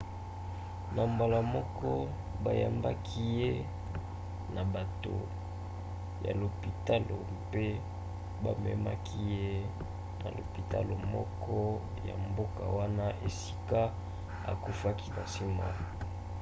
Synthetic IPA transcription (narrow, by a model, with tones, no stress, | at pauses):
na˨mba˨la˨mɔ˦kɔ˦ | ba˨ja˨mba˦kʰi˦je˦ | na˨ba˨to̰˨ | ja̰˨lo˨pi˨ta˦lo˨ | pe˦ | ba˦mɛ˦ma˦kʰi˦je˦ | na̰˨lo̰˨pi˨ta̰˦lo˨mɔ˦kʰɔ˦ | ja̰˨mbo˦ka˨wa˦na˦ʔe˨si̥˦ka˦ | a̰˨ku˦fa˦ki˦na˨si˦ma̰˨